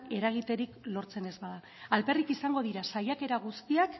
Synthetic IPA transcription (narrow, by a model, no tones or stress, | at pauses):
e̞ɾaɣ̞it̪e̞ɾiklo̞ɾt͡se̞ne̞zbaðaː | lpe̞rikisaŋɡo̞ð̞iɾasajake̞ɾaɣ̞ust̪iak